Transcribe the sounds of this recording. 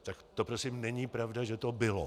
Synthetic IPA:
t̪akt̪opɾosimnɛɲipɾavdaʒɛt̪o̞bɪlo̰

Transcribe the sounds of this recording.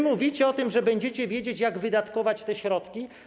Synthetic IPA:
muvʲit͡ɕɛɔt̪ɘmʐɛbɛɲd͡ʑɛt͡ɕɛvʲjed͡ʑet͡ɕjaɡvɘd̪at̪kɔvat͡ɕt̪ɛɕɾɔt̪kʲi

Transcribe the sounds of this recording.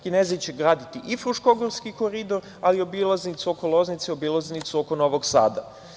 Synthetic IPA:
kinezit͡ɕe̞ɡɾaːd̪it̪iʔifɾuʃkoɡoɾskiko̞ɾid̪o̞ɾ | alio̞bilˠaznit̪suokolˠo̞znit̪seobilˠaznit̪suokono̞ʋo̞ɡsa̰ːd̪a

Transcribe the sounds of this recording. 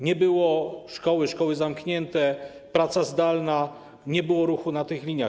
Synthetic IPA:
ɲɛbɘwɔʂkɔwɘʂkɔwɘzamkɲɛnt̪ɛ | pɾat̪sazd̪alna | ɲɛbɘwɔɾuxunat̪ɘxlʲiɲa

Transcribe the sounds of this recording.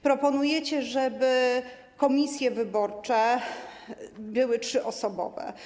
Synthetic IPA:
pɾɔpɔnujɛt͡ɕɛʐɛbɘ | kɔmʲisʲjɛvɘbɔɾt͡ʂɛ | bɘwɘtʂɘʔɔsɔbɔ̰vɛ̰

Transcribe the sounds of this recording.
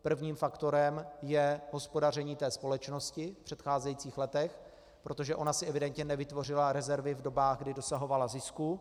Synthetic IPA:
pr̩vɲiːmfakt̪o̞ɾɛmjɛɦo̞spo̞dar̝ɛɲiːt̪ɛːspo̞lɛt͡ʃno̞scɪfpr̥ɛt̪xaːzɛjiːt͡siːxlɛt̪ɛx | pɾo̞t̪o̞ʒɛʔo̞nasɪʔɛvɪdɛnt̪ɲɛnɛvɪt̪vo̞r̝ɪlaɾɛzɛɾvɪvdo̞baːɣɡdɪdo̞saɦo̞valazɪsku

